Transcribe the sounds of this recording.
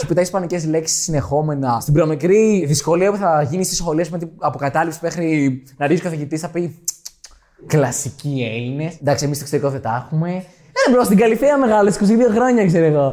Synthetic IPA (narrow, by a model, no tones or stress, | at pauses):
spit̪ɐispɐnicezle̞ksi̥sːine̞xo̞me̞nɐst̪ibɾomikɾiðisko̞liɐpuθɐʝinisisxo̞liɐspmet̪iɐpokɐt̪ɐlipsi̥mexɾinɐɾiskɐθiʝit̪isθɐpi | klɐsicieline̞snd̪ɐksiemist̪okst̪eɾikoðet̪ɐxume̞ | bost̪iɡɐliθiɐme̞ɣɐlesi̥kosiðioxɾo̞ɲɐkseɾieɣo